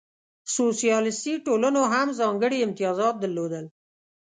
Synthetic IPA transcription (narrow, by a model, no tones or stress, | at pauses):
sosijɑlɪst̪iʈolanoɦamzɑŋɡəɽiɪmt̪ijɑzɑt̪̚d̪əlːod̪əl